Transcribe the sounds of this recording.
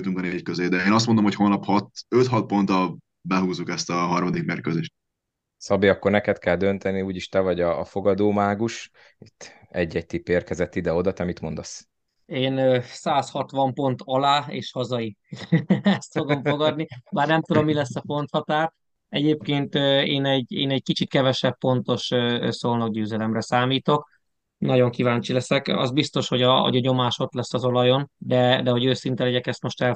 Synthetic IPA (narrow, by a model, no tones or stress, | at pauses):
t̪yŋkɒneveːc̚køzeːd̪ɛeːnɒst̪mo̞nd̪omhochonːɒphɒt̪øt̪hɒt̪̚po̞nt̪ɒ | bɛɦuːzukɛst̪ɒɦɒrmɒd̪ikmeːrkøzeːʃt̪̚ | sɒbiɒkːo̞rnɛkɛt̪kɛld̪ø̞nt̪ɛniuːɟiʃt̪ɛvɒɟɒːfo̞ɡɒd̪oːmaːɡuʃ | it̪ʰː | ɛɟːɛc̚t̪ipːeːrkɛzɛt̪ːid̪ɛo̞d̪ɒt̪ɛmit̪mo̞nd̪ɒs | eːnsaːshɒt̪ʋɒmpo̞nt̪ɒlaːḛːʃhɒzɒji | ɛst̪fo̞ɡmfo̞ɡɒd̪nibaːrnɛmt̪ud̪o̞mːilɛsːɒfo̞nt̪hɒt̪aːr | ɛɟeːp̚keːnt̪øeːnɛɟeːnɛɟ̚kit͡ʃit̪̚kɛvɛʃɛpːo̞nt̪o̞ʃøːsoːlnɒɡ̚ɟøːzɛlɛmrɛsaːmiːt̪o̞k | nɒɟo̞ŋkivaːɲt͡ʃilɛsɛkɒ̰zbist̪o̞ʃho̞ɟɒɒ̰ɟɒɲo̞maːʃo̞t̪lɛsːɒzo̞lɒjo̞nd̪ɛd̪ɛɦo̞ɟøːsint̪ɛlɛɟɛkɛst̪mo̞ʃt̪ɛl